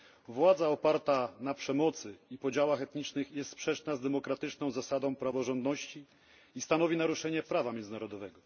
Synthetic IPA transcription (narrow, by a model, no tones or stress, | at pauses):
vwad̪zaɔpaɾt̪anapʂɛmɔt̪sɘipɔd͡ʑawaxɛt̪ɲit͡ʂnɘxjɛst̪spʂɛt͡ʂnazd̪ɛmɔkɾat̪ɘt͡ʂnɔ̃w̃zasad̪ɔ̃w̃pɾavɔʐɔnd̪nɔɕt͡ɕi | ist̪anɔvʲinaɾuʂɛɲɛpɾavamʲjɛnzɘnaɾɔd̪ɔvɛɡɔ